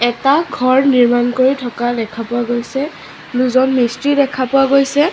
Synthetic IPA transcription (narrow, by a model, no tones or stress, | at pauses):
ɛtaɡʱɔɹniɹmankoɹitʰɔkadɛkʰapʊaɡojsɛ | nuzɔnmistidɛkʰapʊaɡojsɛ